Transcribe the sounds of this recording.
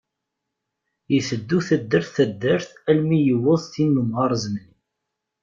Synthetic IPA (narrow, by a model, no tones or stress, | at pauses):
jəθəd̪ːuθæd̪ːəɾθæd̪ːəɾθælmijəwʊðˤθinːəmʁɑɾˤzənni